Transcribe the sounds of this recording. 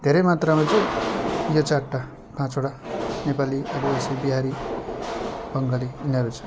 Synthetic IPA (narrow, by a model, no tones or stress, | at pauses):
d̪ʱeɾʌjmat̪ramãt͡sʌjjot͡saʈːa | pãt͡soɽanepaliʌbʌʌsibiɦaɾi | bʌŋɡʌliinʌɾut͡sʰʌ̥